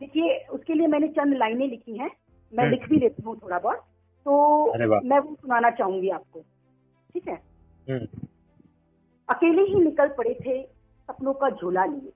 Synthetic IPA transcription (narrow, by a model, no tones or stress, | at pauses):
d̪eːkʰieʊskeliemɛ̃ːnet͡ʃɐ̃nd̪laːɪnẽlɪkʰiɦɛ̃ː | mɛ̃lɪkʰbʱileːt̪iɦũt̪ʰoːɽabɔːɾ | t̪oːɐɾeʋa̰mɛ̃ːʋɐ̃sʊnaːnat͡ʃaːɦũŋɡiaːp̚koː | ʈʰiːkɦɛː | ɦ | ɐkeːleɦinɪkəlpɐɽet̪ʰe | sɐpnõkad͡ʒʱoːlalie